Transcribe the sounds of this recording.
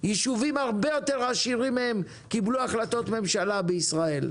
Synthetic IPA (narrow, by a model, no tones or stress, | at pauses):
jɛʃuvimaʁbejo̞te̞ʁaʃiʁimːehem | kibluaχlat̪o̞t̪me̞mʃalabeisʁae̞l